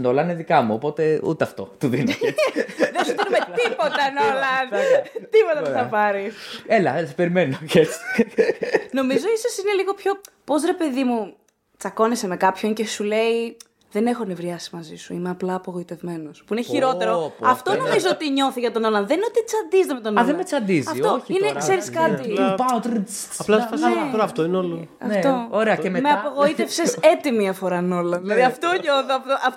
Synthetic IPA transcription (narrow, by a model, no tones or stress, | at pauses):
nolɐneðikɐmuopo̞t̪e̞ṵt̪eɐft̪o̞̰t̪uðine | ðesuðinumeipot̪ɐnolɐnt̪ipot̪ɐθɐpɐɾiselɐse̥pe̞ɾimenoʝet͡si̥ | no̞mizo̞isosine̞liɣo̞pço̞ | po̞zɾe̞pe̞ðimu | t͡sɐko̞nesemekɐpço̞ɲce̞sule̞i | ðene̞xonevɾiɐsi̥mɐzisuimeɐplɐːpoɣo̞it̪e̞vme̞nospuineçiɾo̞t̪eɾoɐft̪onomizoot̪iɲo̞θiʝɐt̪o̞nolɐnðeninot̪it͡sɐnd̪izt̪emet̪onðemet͡sɐnd̪izɐft̪oineksse̞ɾiskɐt̪ipat̪ɾit͡sɐplɐɐsɐft̪oinolɐnft̪ooɾeɐememeɐpoɣo̞it̪e̞fsesse̞t̪imiɐfoɾɐno̞lɐnðilɐðiɐft̪oɲoθoɐft̪oʔɐ